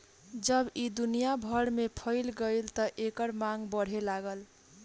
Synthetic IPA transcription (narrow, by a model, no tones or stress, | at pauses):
d͡ʒʌbid̪unijabʱʌɽmepʰʌɪlɡəjlt̪ʌʔekəɾmaŋɡbʌɽ̤ɦelaɡəl